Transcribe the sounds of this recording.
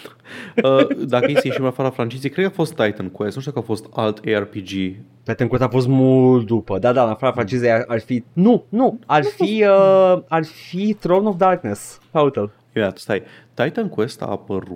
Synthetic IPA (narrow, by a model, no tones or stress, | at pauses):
əd̪akəjesejeʃimnafaɾafɾant͡ʃizejkɾed̪kafo̞st̪ːajt̪ənkuwest̪uʃt̪ukafost̪alt̪ʰearpid͡ʒi | t̪ajt̪ənkwest̪afo̞s̬t̪mult̪̚d̪upəd̪ad̪aɨnafaɾafɾant͡ʃizejaʔarfinunuarfiəarfit̪ɾownofd̪arknesfaut̪əl | imid̪ʲat̪st̪aj | t̪ajt̪ənkwest̪a̰ːpəɾu